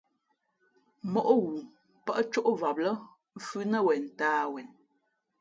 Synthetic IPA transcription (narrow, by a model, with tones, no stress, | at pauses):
mɔ˨ʔɣu˨ | pə˦ʔt͡ʃo˦ʔva˨p̚lə˦ | fʉ˦nə˦wɛ˨n̩˨taː˦wɛ˨n